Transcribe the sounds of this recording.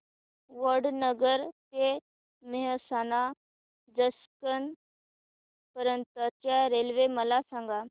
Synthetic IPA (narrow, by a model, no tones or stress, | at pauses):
ʋəɾɖnəɡəɾte | meɦsana | d͡zəskən | pəɾənt̪ətjaɾelʋeməlasãŋɡa